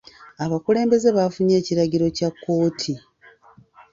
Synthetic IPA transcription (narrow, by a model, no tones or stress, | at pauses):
aβakule̞ːmbe̞ze̞βafuɲe̞ːciɾaɟiɾo̞cakːo̞ːtʰi